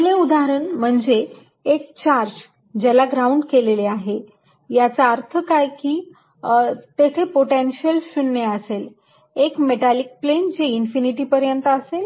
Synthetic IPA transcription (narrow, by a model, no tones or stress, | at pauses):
leud̪aɦəɾəɳm̤əɳd͡ze | ekt͡ɕaɾd͡ʑ | d͡ʑalaɡɾauɳɖkeleleaɦe | jat͡saəɾt̪ʰəkajkiː | t̪et̪ʰepoʈenɕjəlɕunːeəsel | ekmeʈalik̚plend͡ʑeinfiniʈiːpəɾjənt̪əəsel